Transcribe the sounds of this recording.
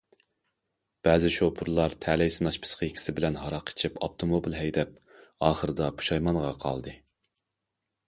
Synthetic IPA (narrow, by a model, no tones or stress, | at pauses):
b̥æːzɪʃopʰuɾlˠɑɾt̪ʰɛlɛjsɨnɑʃpʰɨ̥sqʰəkʲʰi̥sɪbɪlɛnɦɑɾɑqʰe̥t͡ʃʰipɑp̚t̪ʰomobilɦɛjd̪ɛp̚ | ɑːχəɾɨd̪ɑpʰu̥ʃɑjmɑnʁɑqʰɑ̰lˠd̪ɨ